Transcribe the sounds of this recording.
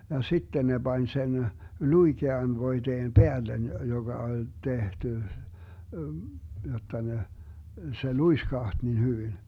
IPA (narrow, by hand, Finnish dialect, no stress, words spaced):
jɑ sitːe ne b̥ɑnʲ sen luikeɑn ʋoiteːm peælːen joɡ̊ɑ olʲ tehty jotˑɑ ne se luiskɑht nin hyʋin